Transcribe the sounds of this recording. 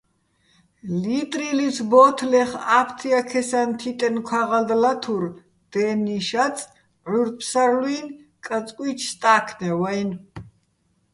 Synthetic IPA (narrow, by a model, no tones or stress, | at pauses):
lit̪ʼɾilisʰbɔːt̪ʰlɛχapʰt̪ʰiakʰɛsant̪ʰit̪ʼɛnkʰwaʁald̪lat̪ʰuɾ | d̪̥ɛniʃat͡sʼ | ʕuɾpʰsaɾlwinkʼət͡sʼkʼwit͡ʃʰst̪ʼakʰnɛwajn